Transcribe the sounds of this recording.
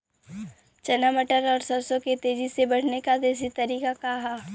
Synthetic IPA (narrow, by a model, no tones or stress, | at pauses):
t͡ʃɐnaməʈəɾɔːɾsɐɾsõket̪eːd͡ʒisebɐɽ̤nekad̪eːs̬it̪ɐɾiːkakaɦaː